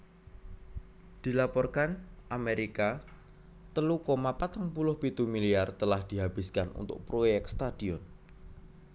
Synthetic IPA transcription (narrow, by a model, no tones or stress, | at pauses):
d̪̥i̤lapɔrkanʔameɾika | t̪əlukɔmapat̪əŋpulʊhpit̪umiliart̪əlahd̪̥i̤ɦab̥ɪskanṵnt̪ʊ̰k̚pɾojɛk̚t̪st̪ad̥iɔn